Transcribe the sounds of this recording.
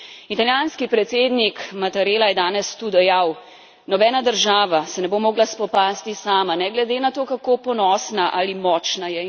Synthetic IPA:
it̪aljaːnskipɾɛt̪seːd̪nikmat̪aɾeːlajɛd̪aːnɛst̪ud̪ɛjaw | nɔbɛːnad̪əɾʒaːʋasɛnɛbomoːɡlaspɔpaːst̪isaːmanɛɡlɛd̪enat̪oːkakopɔnɔsnaʔalimɔːt͡ʃnajɛ

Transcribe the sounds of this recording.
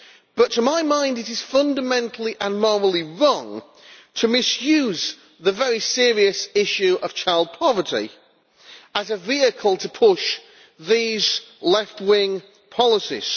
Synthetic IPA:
b̥ʌtʰəmaɪmãɪ̃ndɪɾɪz̥fʌ̃ndəmɛ̃ntʰˡl̩ˠiʔə̃nmɔɹəl̩ˠiɹɔ̃ŋ | tʰəmɪsjʉːz | ðəvɛɹisɪəɹiəsɪʃʉʔəv̥t͡ʃʰaɪlˠd̚pʰɑvə˞tḭ | əzəviəkʰəlˠtʰəpʰʊʃ | ðiːzlɛftwɪ̃ŋ | pʰɒlˠɪsḭz̥

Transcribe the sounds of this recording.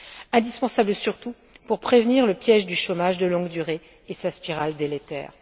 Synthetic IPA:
ɛ̃d̪ispɑ̃sabləsyʁt̪u | puʁpχevniʁləpjɛʒd̪yʃomaʒd̪əlɔ̃ɡd̪yʁeː | saspiʁald̪elet̪ɛ̰ːʁ

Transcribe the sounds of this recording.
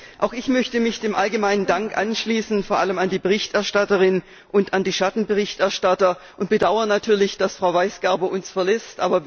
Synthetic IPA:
ʔaʊxɪçmœçtəmɪçd̥eːmʔalɡəmaɪnəndaŋkʔa̰nʃliːsn̩foːɐʔaləmandiːbəʁɪçtɛɐʃtatəʁɪn | ʔʊntandiːʃatn̩bəʁɪçtɛɐʃtatɐ | ʔʊnt̚b̥ədaʊɐənatʰyːɐlɪçd̥asfʁ̥aʊvaɪsɡ̥ɛɐbɐʔʊnsfɛɐlɛstʔa̰ːbɐ

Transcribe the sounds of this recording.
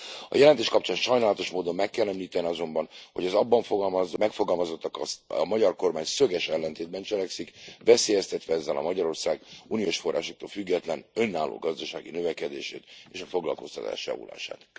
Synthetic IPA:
ɒ̰jɛlɛnt̪eːʃkɒpt͡ʃaːnʃɒjnaːlɒt̪o̞ʃmoːd̪o̞mːɛkːɛlːɛmliːt̪ɛniɒzo̞mbɒnho̞ɟɒzɒbːɒɱfoɡɒlmzmɛkfo̞ɡɒlmɒzo̞t̪ːɒkɒsmɒɟɒrko̞rmaːɲsø̞ɡɛʃɛlːɛnt̪eːd̪̚bɛnt͡ʃɛlɛksikvɛseːjɛst̪ɛt̪ʋɛɛzːɛlɒ̰mɒɟɒɾo̞rsaːɡunijoːʃfo̞rːʔa̰ːʃo̞k̚t̪oːlfyɡːɛt̪lɛnø̞nːaːlːo̰ːɡɒzd̪ɒʃa̰ːɡinøvɛkɛd̪ḛːʃḛːt̪eːʃɒfo̞ɡlɒ̰lko̞̰st̪ɒ̰t̪a̰ːʃjɒ̰vṵla̰ːʃa̰ːt̪

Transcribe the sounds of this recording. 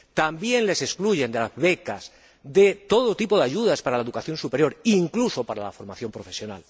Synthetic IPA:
t̪ambje̞nle̞se̞skluʝe̞nd̪elazβe̞kaz | d̪e̞t̪o̞ð̞ot̪ipo̞ðeaʝuð̞aspaɾalaeðukaθjo̞nsupeɾjo̞ɾiŋkluso̞paɾala̰fo̞ɾmaθjo̞mpɾo̞fesjo̞na̰l

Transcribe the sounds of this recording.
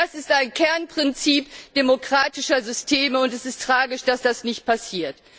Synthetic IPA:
asɪstaɪnkʰɛɐnpʁ̥ɪnt͡siːpd̥emokʁ̥aːtɪʃɐzʏstʰeːməʊntɛsɪstʁ̥aːɡɪʃd̥asd̥asnɪçt̚pasiːɐt

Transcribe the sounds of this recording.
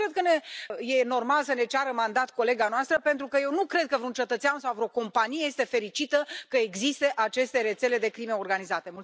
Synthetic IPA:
ɾed̪̚kənejeno̞rmalsəne̞t͡ʃaɾəmand̪at̪ko̞le̞ɡanoast̪ɾəpent̪ɾukəjewnukɾe̞d̪̚kəvɾeunt͡ʃe̞t̪ət̪seansawvɾo̞ko̞mpanijejest̪e̞fe̞ɾit͡ʃit̪əkəeɡzist̪e̞ʔat͡ʃe̞st̪e̞ɾe̞t̪sele̞d̪e̞kɾime̞o̞rɡanizat̪e̞mul

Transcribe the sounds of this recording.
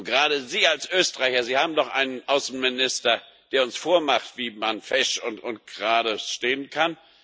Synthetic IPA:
nɡ̥ʁaːɾəziːalsʔøːstəʁ̥aɪçɐziːhaːbm̩dɔχʔa̰ɪnənʔaʊsn̩mɪnɪstɐ | d̥eːɐʊnsfoːɐmaχtv̥iːmanfɛʃʊntʊnt̚ɡ̥ʁaːɾəsʃteːənkʰan

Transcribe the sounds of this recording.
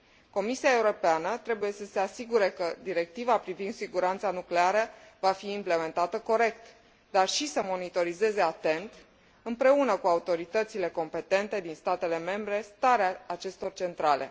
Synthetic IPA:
ko̞misiae̞uɾo̞peanət̪ɾe̞buje̞səse̞asiɡuɾe̞kəd̪iɾe̞k̚t̪ivapɾivind̪siɡuɾant̪sanukleaɾəvafiːmple̞me̞nt̪at̪əko̞ɾe̞k̚t̪ | d̪arʃisəmo̞nit̪o̞ɾize̞ze̞at̪e̞nt̪ | ɨmpɾe̞unəkuaut̪o̞ɾit̪ət̪sile̞ko̞mpe̞t̪e̞nt̪e̞d̪inst̪at̪e̞le̞me̞mbɾe̞st̪aɾeaːt͡ʃe̞st̪o̞rt͡ʃe̞nt̪ɾale̞̰

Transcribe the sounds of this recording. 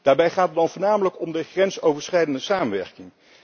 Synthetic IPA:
d̥aːɹbɛjχaːtəd̚dɑnvʊːɹnaːmələkɔmdəχrɛnsowvəɹsrɛjdəndəsaːmənʋɛɹkɪŋ

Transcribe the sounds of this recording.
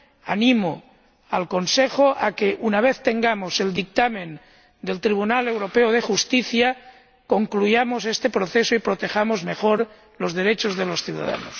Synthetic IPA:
anĩmo | alko̞nsexoʔakeʔunaβeθt̪e̞ŋɡamose̞ld̪ik̚t̪amẽn | d̪e̞lt̪ɾiβ̞unalewɾo̞peoð̞exust̪iθja | ko̞ŋklujamosest̪e̞pɾoθesoipɾot̪examozme̞xoɾ | lozð̞e̞ɾet͡ʃozðelo̞sθjuða̰ða̰nos

